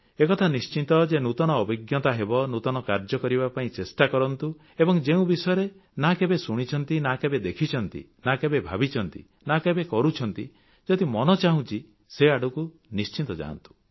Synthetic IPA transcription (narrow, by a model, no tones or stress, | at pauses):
ekɔt̪ʰanist͡ʃit̪ɔd͡ʒenut̪ɔñɔːbiɡjɔt̪aɦebɔnut̪ɔnɔkaɾd͡ʒɔkɔɾibapaĩt͡ʃesʈakɔɾɔnt̪u | ebɔŋd͡ʒeũbisɔjɔɾe | nakebesuɽ̃it͡ʃʰɔnt̪inakebed̪ekʰit͡ʃʰɔnt̪ḭ | nakebebʱabit͡ʃʰɔnt̪ḭ | nakebekɔɾut͡ʃʰɔnt̪ḭ | d͡ʒɔd̪imɔnɔt͡ʃaɦũt͡ʃʰi | seaɽuku | nist͡ʃint̪ɔd͡ʒa̰ːnt̪u̥